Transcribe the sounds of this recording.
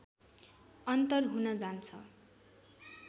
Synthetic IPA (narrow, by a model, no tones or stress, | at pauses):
ʌnt̪ʌrɦunʌd͡zant͡sʰʌ